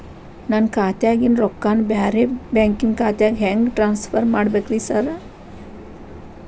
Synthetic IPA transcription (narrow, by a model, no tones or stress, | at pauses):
naːnkaːt̪jaːɡinɾɔkːaːnbaːɾebaːŋkiŋɡkaːt̪jaɡɦɛŋɡʈɾaːnspʰɐɾmaːɽbekʋisɐɾ